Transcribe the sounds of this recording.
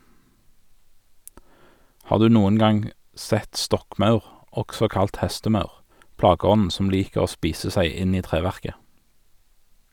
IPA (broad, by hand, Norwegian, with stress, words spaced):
ˈhɑːʁ ˈdʉː ˈnuːən ˈɡɑŋ ˈsɛt ˈstɔkˌmɑʉʁ ˈɔksɔ ˈkɑlt ˈhɛstəˌmɑʉʁ ˈplɑːɡəˌɔnn̩ ˈsɔm ˈliːkəʁ ˈoː ˈspiːsə ˈsæɪ ˈɪn ˈiː ˈtʁeːʋæʁkə